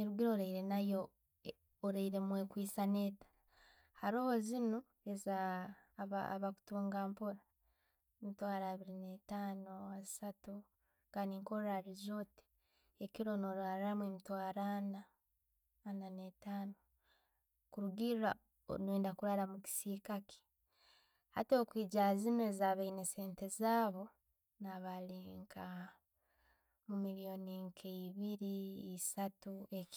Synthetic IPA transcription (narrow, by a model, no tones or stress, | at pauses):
eɾuɡiɾoːɾaiɾe̞najoː | ɾaiɾe̞mwe̞kwiːsane̞ːtḁ | haɾo̞ːhozino | eza | βa̰βaku̥tuːŋɡaːmpoɾa | emitwaːɾaːβiɾinetaːnoazisatu | ŋɡaniːŋko̞ɾaɾizo̞te̥ | ekiɾo̞noɾaːɾamwemutwaːɾaːnaː | nanetaːno | kuɾuɡia | o̰nweːndakuɾaɾamuki̥siːkaki̥ | ha̰toːkwiːɟazinezaβainese̞ːnte̞zaːβo̞ | naβaleːŋkʰa | mumilijo̞niŋkʰeiβiɾiisatuek